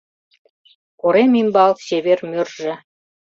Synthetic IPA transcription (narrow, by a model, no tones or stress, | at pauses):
koɾemʲimbɑlɕeβermørʒɘ̆